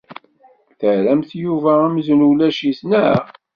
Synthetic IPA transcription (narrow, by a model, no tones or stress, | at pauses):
θəʕɾæmθjuvææmznulæʃiθnæ